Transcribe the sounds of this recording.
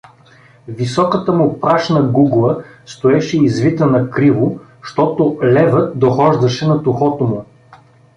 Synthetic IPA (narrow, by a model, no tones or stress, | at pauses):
visɔkət̪əmʊpɾaʃnɐɡuɡlˠəst̪oɛʃɛizvit̪ənɐkɾivʊ | ʃt̪ɔt̪ʊlɛvət̪̚d̪oxɔʒd̪ɐʃɛnɐt̪ʊxɔt̪omʊ